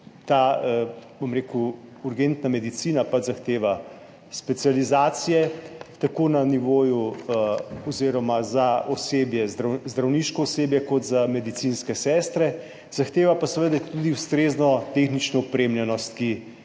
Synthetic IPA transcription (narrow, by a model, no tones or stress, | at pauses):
t̪a | bomɾeːkuːɾɡent̪namɛd̪it̪siːnapad͡ʒzaxt̪eːʋa | spɛt̪sializaːt̪sijɛt̪akonaniʋoːju | ɔziɾɔmazaʔɔseːbjɛzd̪ɾazd̪ɾawniʃkɔɔseːbjɛkɔt̪zamɛd̪it̪sinskɛsɛst̪ɾɛ | z̥axt̪eːʋapasɛʋəd̪at̪ud̪iust̪ɾeznɔt̪exnit͡ʃnɔupɾemlʲjɛnɔst̪ki